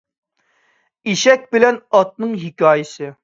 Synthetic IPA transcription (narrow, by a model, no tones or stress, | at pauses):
iʃɛk̚ʲbɪlɛnɑt̪̚nɨŋɦikʲɑːjɪsɨ